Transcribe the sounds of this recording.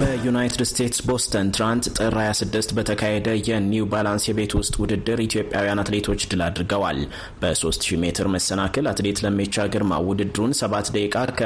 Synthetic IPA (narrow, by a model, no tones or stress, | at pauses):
b̥əjunajt̪ʰɨdst̪ʰe̞t̪sbo̞st̪ʰənt̪ɾant̪t̪ʼɨɾajasɨd̪ːɨst̪bət̪ʰəkʰahed̪əjɛniubalansjɛβe̞t̪ʰwʊst̪ʼwʊd̪ɨd̪ːɨɾit̪ijo̞pʼjawijanat̪le̞t̪ʰo̞t͡ʃːd̪ɨlad̪ɾɡəwa̰l | b̥əso̞st̪ʃime̞t̪ʰɨɾməsːənakʰəlat̪le̞t̪ləmːit͡ʃːaɡɨɾma̰wʊd̪ɨd̪ɨɾunsəβat̪d̪əkʼakʰə